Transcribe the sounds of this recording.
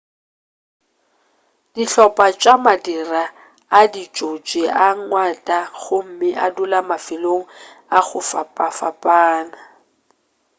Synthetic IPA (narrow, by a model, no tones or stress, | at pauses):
d̥iɬɔpʼat͡ʃʼamadiraː | dit͡ʃʼot͡ʃʼɪʔaŋ̩ŋwatʼaχʊm̩mɪʔadʊlamafɪloŋ̩ | aɣʊfapʼafapʼaːna